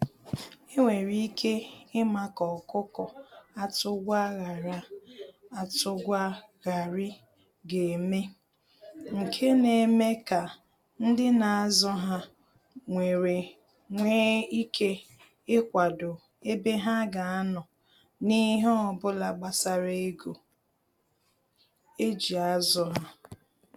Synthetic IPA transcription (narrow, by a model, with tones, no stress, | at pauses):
ɪ˦ŋʷe˨ɾi˦i˦kʰe˦ɪ˦ma˦kɔ˨kʊ˦kɔ˨a˦tʊ˦ɡʷa˦ɣa˨ɾa˦ | a˨tʊ˦ɡʷa˦ | ɣa˨ɾɪ˦ | ɡe˨me˦ | ŋ̩˨kʰe˦ne˨me˦ka˨ | n̩˦dɪ˦na˨a˦zɔ˦ɦa˦ | ŋʷe˨ɾe˨ | ŋʷeː˦i˦kʰe˦ | ɪ˦kʷa˨dʊ˨ | e˦be˦ɦa˦ɡa˨a˦nɔ˨ | ni˦ɦe˦ɔ˨bʊ˦la˨ɡ͡ba˨sa˦ɾe˦e˦ɡo˨ | e˦d͡ʒi˨a˦zɔ˦ɦa˦